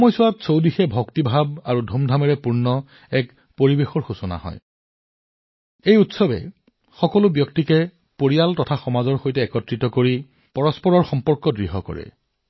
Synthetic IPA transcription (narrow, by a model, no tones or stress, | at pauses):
ɔmɔjsʊwatsowdixɛbʱɔktibʱab̚aɹudʱumdʱamɛɹɛpuɹnɔ | ɛk | poɹibexɔɹxusɔna̰ɦɔ̰j | ejutsɔbɛ̰ | xɔkɔlʊbjɔktikɛ | poɹijaltɔtʰaxɔmazɔɹxojtɛːkɔtɹitɔkoɹi | pɔɹɔspɔɹɔɹxɔmpɔɹkɔdɹiɦɔkɔ̰ɹɛ̰